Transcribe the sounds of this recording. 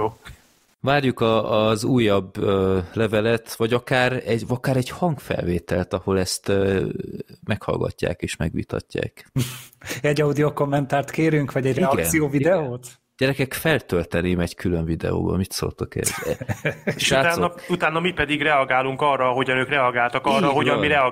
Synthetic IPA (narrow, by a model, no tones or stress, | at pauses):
joː | vaːrjukɒːzuːjːɒbølɛvɛlɛt̪ʋɒɟɒkaːɾɛɟɒkaːɾɛɟhɒŋkfɛ̰lveːt̪ɛlt̪ɒho̞lɛst̪ː | mɛkhɒ̰lɡɒ̰cːa̰ːkeːʃmɛɡʋḭːt̪ɒ̰cːa̰ːk | ɛɟːɒud̪ioko̞mːɛnt̪aːrt̪keːɾyŋkʋɒɟɛɟrɒkɡɛnsijoːvid̪ɛoːt̪ | ɟ̥ɛɾɛkɛkfɛlt̪ølt̪ɛneːmɛɟkʰyløɱvid̪ɛ̰o̰ːbɒ̰mit̪soːlt̪okɛ̰z | ʃaːaːnout̪aːnːɒmipɛd̪iɡrɛɒɡaːluŋkɒrːɒɦo̞ɟɒnøːkrɛɒɡaːlt̪ɒkɒrːɒɦoɟɒmːiɾɛɒ